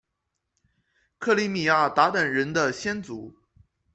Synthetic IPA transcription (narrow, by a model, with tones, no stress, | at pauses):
kʰɤ˥˩li˧˥mi˨˩ja˥˩t̪a˧˥t̪ə˨˩nɻə˧˥nd̪ə˧ɕjɛ˥nt͡su˧˥